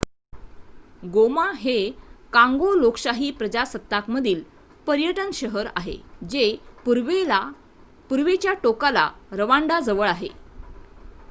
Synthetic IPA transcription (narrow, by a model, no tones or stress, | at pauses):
ɡomaɦekãŋɡoloksaɦiːpɾəd͡ʑasət̪ːakməd̪ʱiːl | pəɾjəʈənɕəɦəɾa̰ɦḛd͡ʑepuɾʋea | puɾʋet͡ɕjaʈokala̰ɾəʋaɳɖad͡zəʋəɭaɦe